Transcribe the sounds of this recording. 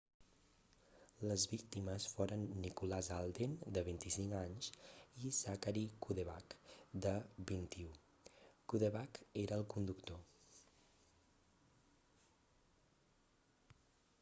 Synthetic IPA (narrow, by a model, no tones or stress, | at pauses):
ləzβik̚t̪iməsfoɾənːikulazalˠd̪ind̪əβint̪isiŋkaɲsizakaɾikuðeβakd̪əbint̪iu | kuðeβakeɾəːlˠkund̪ukt̪o